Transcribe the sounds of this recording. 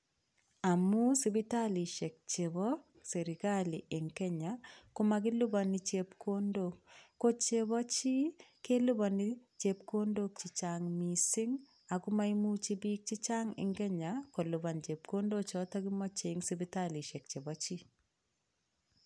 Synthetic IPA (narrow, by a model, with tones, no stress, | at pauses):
a˨mu˦sibi˦ta˦li˨ʃe˨k̚t͡ʃe˨bɔ˦ | se˨ɾi˨ka˦li˨ʔe˨ŋkɛ˦ɲakʊ˦mak̬ɪ˦lu˦ba˨ni˦t͡ʃe˨pkʰo˦ndokːo˦t͡ʃe˦βɔ˦t͡ʃi˦ke˦lu˦ba˨nit͡ʃep̚ko˦ndo˦k̚t͡ʃi˨t͡ʃaŋmisi˦ŋ | a˨kʊ˦ma˦imu˦t͡ʃi˦bi˦k̚t͡ʃi˦t͡ʃa˦ŋɪ̰˨ŋkɛ˦ɲa˨ko˨luβa˨nt͡ʃe˨p̚ko˦ndo˦t͡ʃɔ˨˦ta˦ki˦mɔ˦t͡ʃe˨ŋsi˦bi˦tali˨ʃɛ˨k̚t͡ʃe˨bɔt͡ʃi˦